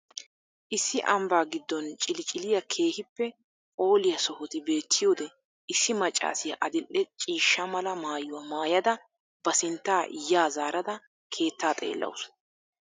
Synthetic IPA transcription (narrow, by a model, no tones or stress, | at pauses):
ʔɪsːɪʔɐmbaːɡɪd̪ːɔnt͡ʃʼɪlɪt͡ʃʼɪlɪjɐkʰe̞ːhɪpːɛ | o̞ːlɪjɐsɔhɔt̪ɪbe̞ːt̪ʰːɪjoːd̪ɛ | ɪsːɪmɐt͡ʃʼːa̰ːsɪjɐʔɐd̪ɪlːɛt͡ʃʼiːʃːɐmɐlɐmaːjʊwɐmaːjɐd̪ɐ | b̥ɐsɪnt̪ːaːʔɪ̰jːaːzaːɾɐd̪ɐ | kʰe̞ːt̪ːaːt̪ʼe̞̰ːlːɐ̰wʊs